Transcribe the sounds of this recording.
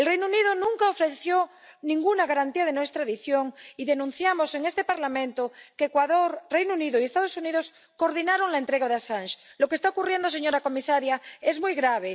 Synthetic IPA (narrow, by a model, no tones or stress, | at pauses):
elrejnouniðonũŋkaofɾeθjo | nĩŋɡunaɣaɾant̪iaðenwest̪ɾaðiθjoŋiðenũn̟θjamoseŋest̪epaɾlamẽnt̪okeːkwaðoɾrejnouniðoiest̪að̞osuniðos | koɾðinaɾoŋlaent̪ɾeɣaðeasanʃlokest̪aokurjend̪os̬eɲoɾako̞misaɾjaezmujɣɾaβ̞e